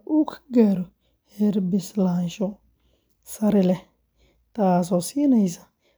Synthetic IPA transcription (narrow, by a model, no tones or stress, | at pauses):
ukʰɡaɾɔ | hɛɾbɪslanʃɔ | sɐɾɪlɛ | t̪as̬ɔsiːnɛjsḁ